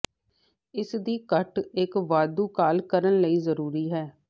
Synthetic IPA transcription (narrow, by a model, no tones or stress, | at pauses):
ɪsd̪iːkəʈɪkʋaːd̪uːkaːlkəɾənləiːzəɾuːɾiːɦɛː